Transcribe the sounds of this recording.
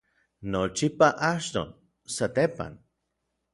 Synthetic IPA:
not͡ʃipaʔaʃt̪o̰n | sat̪epa̰n

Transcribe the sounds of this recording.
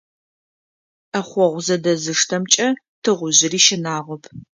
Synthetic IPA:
ɐχʷɔʁʷʊzɐdɐzɨʂtʰɐmt͡ʃʼɐ | tʰɨʁʷʊʑɪriːʃɪnaːʁʷɔpʰ

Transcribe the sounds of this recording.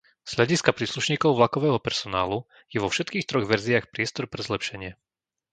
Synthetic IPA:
z̥ʎaɟiskapɾiːsluʃɲiːkɔʊʋlakɔʋɛːɦɔpɛɾsɔnaːlu | jɛʋɔfʃɛt̪kiːxt̪ɾɔɣʋɛɾziaxpɾɪɛst̪ɔɾpɾɛzlɛpʃɛɲɪɛ

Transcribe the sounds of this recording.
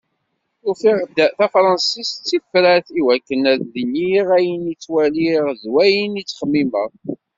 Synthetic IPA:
ufiʁd̪θæfɾˤɑnsist͡sːifɾæθiwækːənæððiniʁæjənit͡sːwæliʁðwæjənit͡sːχəmːiməʁ

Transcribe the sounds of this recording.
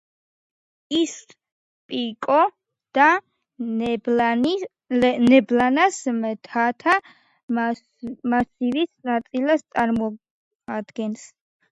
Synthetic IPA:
is | pʼikʼɔ | d̪̥a | nɛblanasmt̪ʰat̪ʰa | masivisnat̪sʼilast̪sʼaɾmɔ | ad̪ɡɛns

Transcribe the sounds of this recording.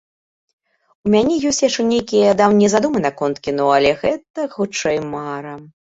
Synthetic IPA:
umʲanʲɛjɔsʲt͡sʲjaʂt͡ʂɛnʲejkʲijɐd̪awnʲɛzad̪umɨnɐkɔnt̪kʲinɔɐlʲɛɣɛt̪ɐxut͡ʂɛjmaɾɐ

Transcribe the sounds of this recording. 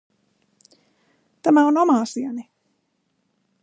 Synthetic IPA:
t̪amawnɔmaːsiɛni

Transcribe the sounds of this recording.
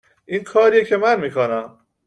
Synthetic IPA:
ʔiːnkʰɒːɾijecʰemænmiːkʰonæm

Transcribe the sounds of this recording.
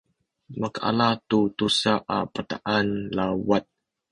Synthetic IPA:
maka̰latut̪usaʔapət̪aʔanlawat̪̚

